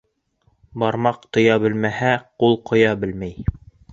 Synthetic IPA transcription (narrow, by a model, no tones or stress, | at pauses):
bɑɾmɑqt̪ŏjɑbɘ̆lmæhæqulˠqŏjɑbɘ̆lmæj